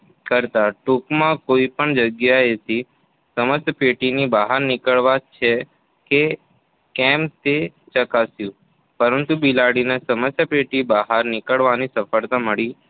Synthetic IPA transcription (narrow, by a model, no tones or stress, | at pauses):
kəɾt̪aʈukmãkoipəɳd͡ʒəɡjaet̪i | səməst̪peʈinibaɦaɾnɪkəɭʋat͡ʃʰe | ke | kɛmt̪e | t͡ʃəkasjũ | pəɾənt̪ubilaɽinesəməsjapeʈibaɦaɾnɪkəɭʋanisəfəɭt̪aməɭi